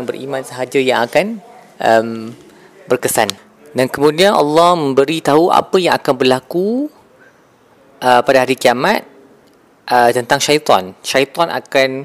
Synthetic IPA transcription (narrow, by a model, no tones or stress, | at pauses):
ŋbərʔḭmãnsəɦad͡ʒajaŋakan | ʔəm | bərkəsan | dankəmũdianʔɑ̰lːɔhmə̃mbəɾit̪aɦuʔa̰pəjãŋakanbərlaku | ʔəpadaɦaɾikiamat̪̚ | ʔət̪ənt̪aŋʃait̪ɔ̰nʃait̪ɔnʔa̰kan